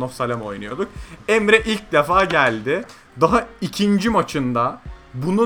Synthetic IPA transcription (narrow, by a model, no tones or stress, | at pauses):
nofsalʲamo̞̰jnujo̞d̪uk̚ɛmɾɛʔilʲc̚d̪efaːɟælʲd̪ɪ | d̪aɦaicʰind͡ʒimat͡ʃʰɯnd̪abunu